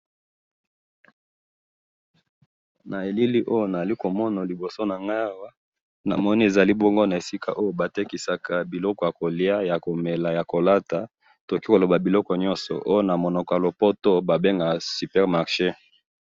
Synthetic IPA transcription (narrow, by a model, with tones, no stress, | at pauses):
na˨e˨li˦li˦ʔo˦jo˦na˨za˨li˦ko˨mɔ˦na˨li˨bo˨so˦na˨ŋɡa˦˨wa˦ | na̰˨mɔ˦ni˦e˨za˨li˦bo˦ŋɡo˦na˨e˨si˦ka̰˦ʔo˦jo˦ba˨te˦ki˨sa˨ka˨bi˨lɔ˦kɔ˨ja˨ko˨li˦a˦ja˨ko˨me˨la˨ja˨ko˨la˦ta˨ | to˨ki˦ko˨lo˨ba˨bi˨lɔ˦kɔ˨ɲɔ̃˦nsɔ̰˨ʔo˦jo˦na˨mo˨nɔ˨kɔ˨a˨lo˨po˦to˦ba˨be˦ŋɡa˨sy˨pɛ˦ʁma˨ʁʃe˦